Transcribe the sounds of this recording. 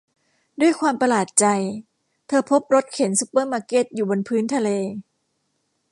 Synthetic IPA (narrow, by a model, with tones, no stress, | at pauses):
du˥˩əjkʰwaː˧mpa˧laː˨˩t̪̚t͡ɕa˧j | t̪ʰɤː˧pʰo˦˥p̚ɾo˦˥t̪̚kʰe˩˦nsu˦pːɤː˥˩maː˧ke˦˥t̪̚juː˨˩bo˧npʰɯː˦˥nt̪ʰa˧leː˧